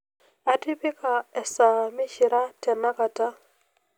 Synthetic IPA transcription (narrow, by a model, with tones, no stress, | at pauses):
a˨ti˦pɪ˦ka˨ɛ˨sa˨mɪ˦ʃi˨ɾa˦tɛ˨na˦ka˨ta˦